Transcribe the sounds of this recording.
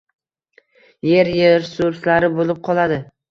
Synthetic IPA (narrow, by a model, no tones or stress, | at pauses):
je̞ɾjeɾsʊɾslaɾɪbolɪp̚qʰɒlˠad̪ɪ